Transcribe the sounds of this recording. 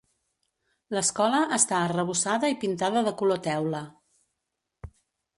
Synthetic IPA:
ləskɔləʔəst̪aərəβ̞usaðəipint̪aðəðəkulot̪ɛwlə

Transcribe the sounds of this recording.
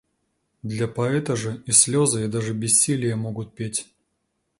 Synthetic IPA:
d̪lʲapɐɛt̪ɐʐɨisʲlʲɔzɐjad̪aʐɨbʲɪsʲːilʲɪjəmɔɡʊt̪̚pʲetʲ

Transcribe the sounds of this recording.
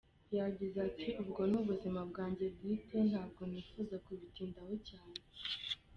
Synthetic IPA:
jaɟizatʰiʔubɡo̞nuβuzimabɡaːɲɟe̞b̚ɡiten̥haːb̚ɡo̞niːfuzakuβitiːndahocaːne

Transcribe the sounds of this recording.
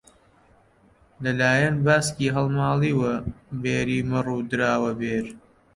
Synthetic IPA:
lɐlaːjɐnbaːsciːɦɐlˠmaːlˠiːwɐbeːɾiːmɨruːd̪ɨɾaːwɐbeːɾ

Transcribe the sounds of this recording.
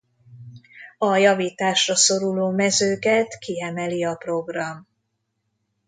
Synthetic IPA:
ɒjɒviːt̪aːʃrɒso̞ɾuloːmɛzøːkɛt̪kiɛmɛliɒpro̞ɡrɒm

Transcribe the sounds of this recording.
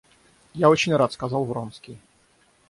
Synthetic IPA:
jaot͡ɕɪnʲrat̪skɐzalˠvɾonskʲij

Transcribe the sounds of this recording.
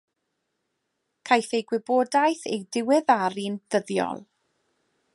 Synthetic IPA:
kʰajθejɡwɪboːdajθejdɪwɪðaɾind̥əðjɔ̰lˠ

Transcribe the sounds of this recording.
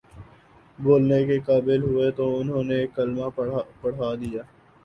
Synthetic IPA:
boːlnekekaːbɪlɦʊet̪oʊnɦõːnekːɐlmapɐɽ̤ɦaːd̪ijaː

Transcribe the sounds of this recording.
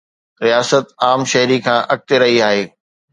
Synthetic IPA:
ɾijaːsət̪aːmʃɐɦɾikʰãːʔɐk̚t̪eɾɐɦiaːɦeː

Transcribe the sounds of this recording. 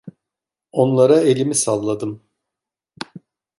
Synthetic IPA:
o̞nlˠaɾae̞lʲimisalˠːad̪ɯm

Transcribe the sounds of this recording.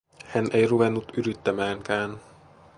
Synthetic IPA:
hɛnʔɛjrubɛnut̪yɾyt̪ːɛmaːŋkaːn

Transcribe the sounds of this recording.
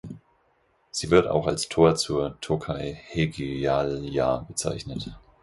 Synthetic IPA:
z̥iːvɪɐta̰ʊxalstʰoːɐt͡suːɐtʰokʰaɪheɡiaːljaːbət͡sa̰ɪçnət

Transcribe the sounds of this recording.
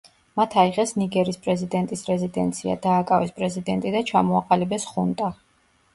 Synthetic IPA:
mat̪ʰaiʁɛsniɡɛɾispʼɾɛzid̪ɛnt̪ʼisɾɛzid̪ɛ̰nt̪sʰia̰d̪aːkʼavɛspʼɾɛzid̪ɛnt̪ʼid̪at͡ʃʰamɔaqʼalibɛsχunt̪ʼa

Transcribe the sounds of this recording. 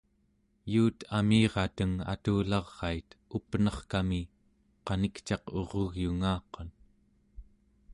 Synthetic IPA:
juːt̪ʰamiːʁɑt̪əŋa̰t̪uːlɑʁːɑit̪upənʌχkami | qɑnikt͡ʃɑqo̞̰ʁoɣjuŋaːqon

